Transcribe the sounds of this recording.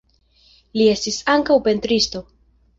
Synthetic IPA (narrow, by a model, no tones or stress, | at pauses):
lie̞stisaŋkawpe̞ntɾisto̞